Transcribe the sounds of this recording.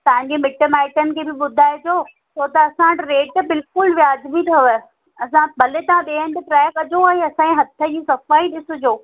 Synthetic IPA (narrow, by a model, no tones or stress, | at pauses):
t̪ɐ̃ɦɪ̃ɲd͡ʑemɪʈəmaːɪʈənɪ̆kʰeːbɪɓʊd̪ʱaːed͡ʑoː | sot̪ɐɐsãɐʈɾeːʈbɪlkʊlʋjaːdbit̪ʰɐ | ɐsãbʱɐlet̪aãɗeːənd̪ɪʈɾɛːkɐd͡ʑoɛ̃ːɐsãẽɦɐt̪ʰə̆d͡ʑiːsɐfaːiɗɪsʊd͡ʑoː